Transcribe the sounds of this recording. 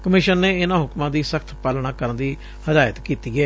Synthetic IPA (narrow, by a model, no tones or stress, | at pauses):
kəmɪʃənːeːɪnãːɦʊkmãːd̪iːsəkʰt̪ʰpaːlɳ̃ãːkəɾənd̪iː | həd̪aːjət̪kiːt̪iːɛː